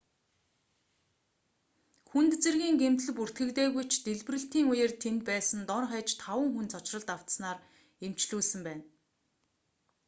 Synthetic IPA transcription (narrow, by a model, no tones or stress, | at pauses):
xunt̪t͡sĕrɣʲiːŋɡem̥t̪̆ɮɘ̆pur̥t̪ɡɘ̆kt̪eːɣujt͡ɕʰt̪eɮprɘ̆ɬt̪iːŋujeːrt̪ʰent̪̚pæːsə̆nt̪ɔrχæːt͡ɕt̪ʰawə̆ŋxunt͡sʰɔt͡ɕrə̆ɮt̪aw̥t̪snaːr | em̥t͡ɕɮuːsɘ̆mpæːn